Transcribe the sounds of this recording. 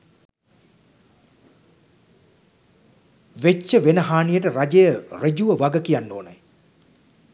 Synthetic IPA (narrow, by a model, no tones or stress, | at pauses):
ʋet͡ʃːəʋenəɦaːnijəʈəɾad͡ʒejəred͡ʒuʋəʋaɡəkijanːoːnəj